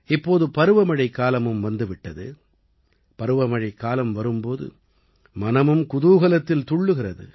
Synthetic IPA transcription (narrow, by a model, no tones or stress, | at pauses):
ɪpːoːðɯpɐɾɯʋɐmɐɻɐɪkːaːlɐmɯmʋɐnd̪ɯʋɪʈːɐðɯ | pɐɾɯʋɐmɐɻɐɪkːaːlɐmʋɐɾɯmpoːðɯ̰ | mɐnɐmɯmkʊðuːɣɐlɐt̪ːɪlt̪ʊɭːɯɣɪrɐðɯ̰